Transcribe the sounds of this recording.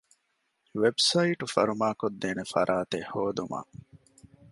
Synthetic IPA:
ʋebsɐiʈufɐɾumaːkod̪ːeːnefɐ̰ɾʔaːt̪ehoːd̪uma̰ː

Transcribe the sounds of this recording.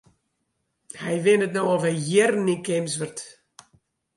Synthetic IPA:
hɛjʋɪnətnowɔfhɛjjɪrnikems̬ʋərt

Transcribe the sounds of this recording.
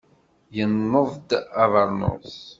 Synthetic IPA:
jənːəðˤd̪avɑɾˤnʊ̰s

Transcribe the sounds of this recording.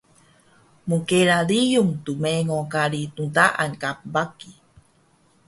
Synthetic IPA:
mukeɾalijuŋt̪umeŋokaɺit̪unt̪aʔankap̚baki

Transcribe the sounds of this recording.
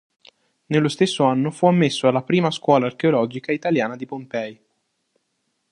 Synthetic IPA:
nelːost̪esːoanːofuamːesːoalːapɾiːmaskwɔːlaːrk̟eolɔːd͡ʒikait̪aljaːnad̪ipompɛj

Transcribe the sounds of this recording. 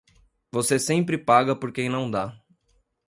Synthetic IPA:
vosesẽmpɾɪpaɡɐpoɾkẽj̃nɐ̃w̃d̪a

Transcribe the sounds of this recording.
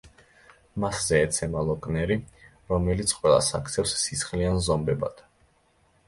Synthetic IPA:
maszɛːt̪sʰɛmalˠɔkʼnɛɾi | ɾɔmɛlit̪sʰqʼwɛlˠa̰sa̰kʰt̪sʰɛfsːisχlianzɔmbɛba̰d̪̥

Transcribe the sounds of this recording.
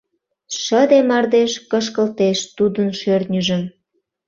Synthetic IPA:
ʃəd̪emɑrd̪eʃkəʃ̬kəlt̪eʃt̪ud̪ənʃørt̪nʲəʒəm

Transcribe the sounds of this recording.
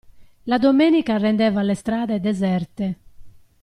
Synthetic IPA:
lad̪omeːnikarɛnd̪ɛːvalɛst̪ɾaːðɛd̪ɛzɛrt̪ɛ

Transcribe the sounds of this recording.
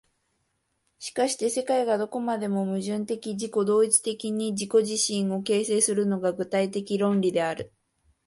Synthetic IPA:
ɕi̥kaɕi̥t̪e̞se̞kaiɡad̪o̞ko̞mad̪e̞mo̞mɯ̟ʑɨ̃nt̪e̞kʲiʑiko̞d̪o̞ːit͡si̥t̪e̞kʲiɲ̟iʑiko̞ʑiɕĩɰ̃o̞ke̞ːse̞ːsɨɾɯ̟no̞ɡaɡɯ̟t̪ait̪e̞kʲiɾõ̞nɾʲid̪e̞aɾɯ̟

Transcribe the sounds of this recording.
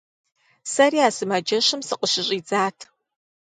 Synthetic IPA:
sɐriaːsɨmad͡ʒɐɕɨmsɨqʼəɕɪɕʼiːd͡zaːtʰ

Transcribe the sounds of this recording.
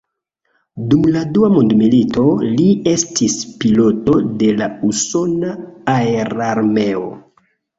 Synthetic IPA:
dumladuamundmilito̞lie̞stispilo̞to̞de̞lauso̞naaeɾaɾme̞o̞̰

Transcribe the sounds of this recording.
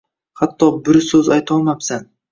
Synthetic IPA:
qʰɑt̪ːoːbɪɾsøzɑjt̪omabsan

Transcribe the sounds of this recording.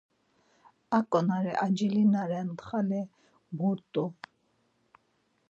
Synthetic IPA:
akʼɔnaɾɛʔad͡ʒilinaɾɛnt̪χalɛ | buɾt̪ʼu

